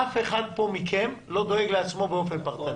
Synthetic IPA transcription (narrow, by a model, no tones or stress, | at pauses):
afe̞χad̪̚po̞mikʰe̞mlo̞d̪o̞eɡleat͡smo̞beo̞fe̞npaʁt̪an